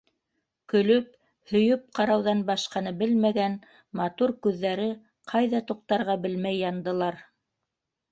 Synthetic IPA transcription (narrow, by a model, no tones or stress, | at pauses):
kɵ̆lɵp̚ | hɵ̆jɵp̚qɑɾɑwðɑnbɑʃqɑnɤbɘlmæɡæn | mɑt̪uɾkʉðːæɾɘ | qʰɑjðɑt̪uq̚t̪ɑɾʁɑbɘlmæjːɑnd̪ɤ̆lˠɑɾ